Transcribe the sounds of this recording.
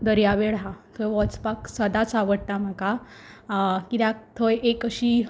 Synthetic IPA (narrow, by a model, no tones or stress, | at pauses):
d̪əɾjaʋeɽɦat̪ʰojʋɔt͡spaksəd̪at͡saʋəɽʈ̪am̤aka | kit̪ak̚t̪ʰojʔekəɕiː